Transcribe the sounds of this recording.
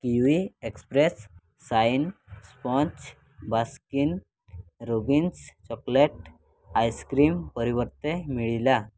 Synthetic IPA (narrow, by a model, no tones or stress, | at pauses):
kiʋiekspɾesː | ainspɔ̃t͡ɕ | baskin | ɾobinst͡ɕɔkleʈ | ajskɾimpəɾiʋəɾt̪emiɭila